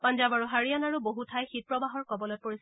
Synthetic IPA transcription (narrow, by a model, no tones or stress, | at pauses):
pand͡ʒabaɹuɦaɹijanaɹuboɦutʰajxit̚pɹɔbaɦɔɹkɔbɔlojpoɹis